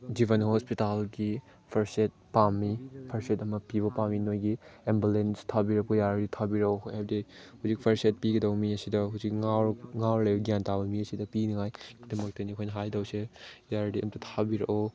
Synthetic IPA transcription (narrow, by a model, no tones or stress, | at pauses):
d͡ʒibɐnhɔspitalɡi | pʰɐɾset̚pamipʰɐɾsetɐmɐpiβɐpaminojɡiembulenstʰabiɾɐk̚pojaɾditʰabiɾɐkɔhab̚dehuzik̚pʰɐɾset̚piɡɐdɐwmiɐsidɐɦuzik̚ŋawɾŋawɾlebɐɡijantabɐmiɐsidɐpinɐŋajdɐmɐk̚tɐnikʰojnɐɦajdɐwsejaɾdiɐ̰mtʰɐtʰabiɾɐkɔ